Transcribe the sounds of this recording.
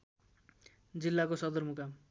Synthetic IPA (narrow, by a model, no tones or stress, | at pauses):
d͡zilːakosʌd̪ʌrmuka